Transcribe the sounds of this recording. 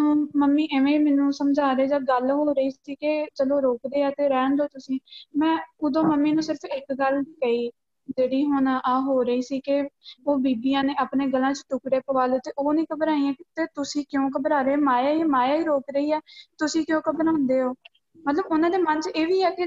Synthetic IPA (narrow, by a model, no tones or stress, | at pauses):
oməmːiːʔɪʋẽːmɛːnũːsəmd͡ʒaːɾeːd͡ʒaːɡəlɦoːɾəiːsiːket͡ʃəloːɾoːkd̪eːaːt̪eːɾɛːɳd̪oːt̪ʊsĩːmɛ̃ːʊd̪õːməmːiːnũːsɪɾəpʰɪkɡəlkaːiː | d͡ʒeːɽiːɦoːnaːʔaːɦoːɾəiːsiːkɪoːbiːbiːãːneːaːpneːɡəlãːt͡ʃʈʊkɽeːpoːaːloːt̪eːʔoːnĩːkəbɾaːĩãːt̪eːt̪ʊsĩːkjõːkəbɾaːɾemaːjaːiːmaːjaːiːɾoːkɾəiːɛːt̪ʊsĩːkjõːkəbɾaːʊ̃nd̪eːɦoː | mət̪ləbʊnãːd̪eːmənt͡ʃeːʋiːɛːkɪ